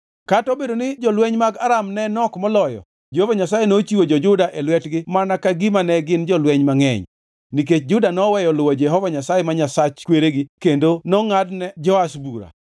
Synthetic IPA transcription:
katɔbedonɪd͡ʒɔlweɲmaɡaɾamnɛnɔkmɔlɔjɔ̰ | d͡ʒɛhovaɲasajenot͡ʃiwod͡ʒɔd͡ʒʊdaʔelwɛtɡɪmanakaɡimanɛɡɪnd͡ʒɔlweɲmaŋɛ̰ɲ | nik̬et͡ʃd͡ʒʊdanɔwɛjɔlʊwɔd͡ʒɛɦɔvaɲasajemaɲasat͡ʃkweɾeɡɪkendonɔŋadnɛd͡ʒɔasbuɾa̰

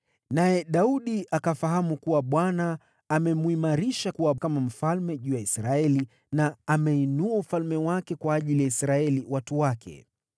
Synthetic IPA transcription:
najɛɗauɗiʔakafaɦamukuwaɓwanaː | mɛmuimaɾiʃakuwakamam̩falmɛʄuːjaisɾaɛli | naːmɛinuaufalmɛwakɛkwaːʄilijaisɾaɛliwatuwakʰɛ̰

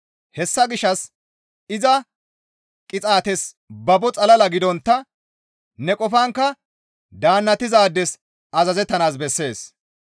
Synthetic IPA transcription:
hɛsːɐɡɪʃːɐs | ɪzɐ | kʼɪt͡sʼaːt̪ɛs | bɐbɔt͡sʼɐlɐlɐɡɪd̪ɔnt̪ːɐ | nɛkʼɔfɐŋkːɐ | d̪aːnːɐt̪ːɪzaːd̪ːɛs | ɐzɐzɛt̪ːɐnaːsbɛsːe̞ːs

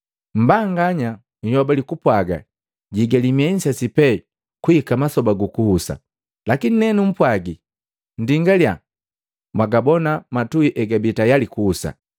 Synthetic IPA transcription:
m̩baŋɡaɲa | hɔbalikupwaɡa̰ | ɟiɡɛlimiɛɲ̩sɛsipɛ | kuhikamasɔbaɡukuhusa̰ | lakininɛnum̩pwaɡi | n̩diŋɡalja̰ | mwaɡabɔnamatuiʔɛɡabitajalikuːsa̰

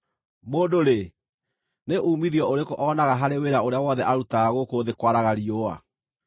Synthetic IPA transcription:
moːdoɾe | neʔuːmiðiɔʔoɾekoʔɔnaɣaɦaɾeweɾaoɾeawɔðɛʔaɾutaːɣokoːðekwaɾaɣaɾioa̰

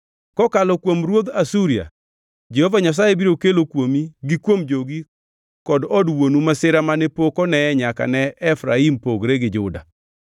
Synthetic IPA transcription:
kɔkalɔkwomɾwod̪asuɾia̰ | d͡ʒɛhovaɲas̬ajebiɾokelokwomiɡɪkwomd͡ʒoɡi | kɔdɔdwonumasɪɾamanepokɔnɛɛɲaka̰nɛɛfɾaimpoɡɾeɡɪd͡ʒʊda̰

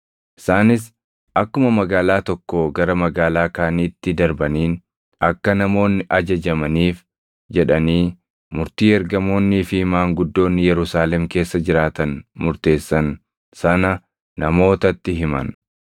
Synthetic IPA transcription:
ʔɪ̥saːnɪs̬ | ʔɐkːʊmɐmɐɡaːlaːt̪ɔkːoɡɐɾɐmɐɡaːlaːkaːniːt̪ːɪd̪ɐɾbɐniːn | ɐkːɐnɐmo̞ːnːɪʔɐd͡ʒɐd͡ʒɐmɐniːf | d͡ʒɛᶑɐniː | mʊɾt̪iːɛɾɡɐmo̞ːnːiːfɪhɪmaːŋɡʊd̪ːo̞ːnːɪjɛɾʊsaːlɛmke̞ːsːɐd͡ʒɪɾaːt̪ɐnmʊɾt̪e̞ːsːɐn | sɐnɐ | nɐmo̞ːt̪ɐt̪ːɪɦɪmɐ̰n

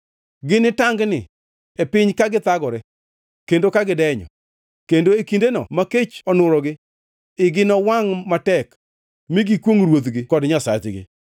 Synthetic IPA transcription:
ɡɪnɪtaŋɡnɪ | epɪɲkaɡɪt̪aɡɔɾɛ | kendokaɡɪdɛɲɔ̰ | kendoekindenɔ̰maket͡ʃɔnʊɾɔɡɪ | ɪɡɪnɔwaŋmatɛk | mɪɡikwoŋɾwot̪ɡɪkɔdɲasa̰t͡ʃɡɪ̰

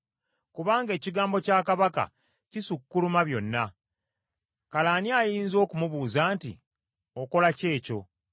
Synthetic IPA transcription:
kuβaːŋɡe̞ːciɡaːmbo̞caːkaβaka̰ | cisukːulumaβjo̞nːa | kalaːniajiːnzo̞ːkumuβuːzaːntḭ | o̞ko̞lace̞ːco̞̰

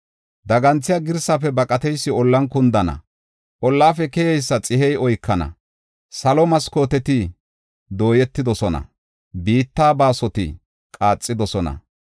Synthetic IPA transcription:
d̪ɐɡɐnt͡sːɪjaɡɪɾsɐfɛbɐkʼɐt̪ɛjsːɪɔlːɐnkʊnd̪ɐnɐ̰ | ʔɔlːaːfɛkɛjɛjsːɐt͡sʼɪhɛjɔjkʰːɐnɐ̰ | sɐlɔmɐskoːt̪ɛt̪ɪ | d̪o̞ːjɛt̪ːɪd̪ɔsɔnɐ̰ | biːt̪ːaːbaːsɔt̪ɪ̰ | kʼaːt͡sʼːɪd̪ɔsɔnɐ̰

